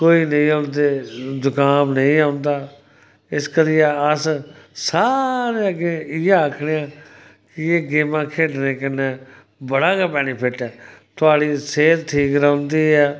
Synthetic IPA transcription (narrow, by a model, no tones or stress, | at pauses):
koːiːnəĩːõnd̪eːd̪ʊkaːmnəĩːãːʊnd̪aː | ɪskəɾiːjaːəssaːɾeəɡẽːɪjãːəkʰɽeːãː | kɪeːɡeːmãːkʰeːɖnẽːkɪnẽː | bəɽaːkɛːbɛːnipʰɪʈɛːt̪ʊaːɽiːseːɾt̪ʰiːkɾãʊnd̪iːɛː